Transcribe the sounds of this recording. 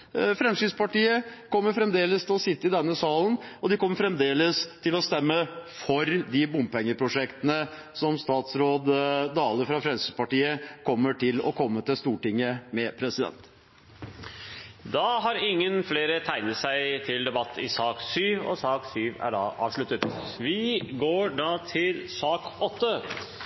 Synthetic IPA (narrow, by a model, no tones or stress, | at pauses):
fɾɛmsʏspɑʈiːəkʰɔmːəɾfɾɛmd̪eːləst̪ʰɪlɔsɪt̪ːəɪd̪ɛnːəsɑːln̩ɔd̪ɪkʰɔmːəfɾɛmd̪eːləst̪ʰɪlɔst̪ɛmːəfɔɾd̪ɪbʊmpɛŋːəpʰɾʊʂɛkt̪ənə | sɔmst̪ɑːt̪sɾoːd̪d̪ɑːləfɾɑfɾɛmsʏspɑʈiːəkʰɔmːəʈʰɪlɔ̰kʰɔmːət̪ɪlst̪uːʈɪŋːəmɛpʰɾɛsɪd̪ɛ̰nt̪ | d̪ɑɦɑɾɪŋːənfleːɾət̪ʰæɪnəsæɪt̪ʰɪld̪ɛbɑt̪ʰːɪsɑːksyːʋɔ̰sɑːksyːʋæ̰ɖɑ̰ːʔɑ̰ːʋʂɭʉt̪ət̪ʋɪɡoːɖɑːt̪ʰɪlsɑːkɔt̪ːə